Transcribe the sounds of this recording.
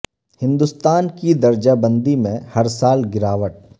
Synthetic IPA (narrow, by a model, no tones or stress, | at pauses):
hɪ̃nd̪ust̪aːnkid̪ɐɾd͡ʒabə̃nd̪imẽhɐɾsaːlɡɪɾaːʋəʈ̚